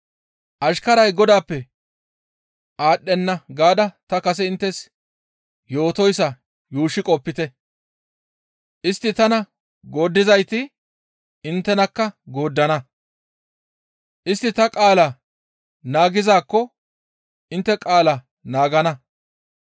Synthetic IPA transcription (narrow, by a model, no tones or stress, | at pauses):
ʔɐʃkɐɾɐjɡɔd̪aːpːɛ | ʔaːɗːɛnːɐɡaːd̪ɐt̪ɐkɐs̬ɛɪnt̪ːɛs | jo̞ːt̪ɔjsːɐ | juːʃɪkʼɔpːɪt̪ɛ | ʔɪst̪ːɪt̪ɐnɐ | ɡo̞ːd̪ːɪzɐjt̪ɪ | ɪnt̪ːɛnɐkːɐɡo̞ːd̪ːɐnɐ | ʔɪst̪ːɪt̪ɐkʼaːlɐ | naːɡɪzaːkːɔ | ʔɪnt̪ːɛkʼaːlɐ | naːɡɐnɐ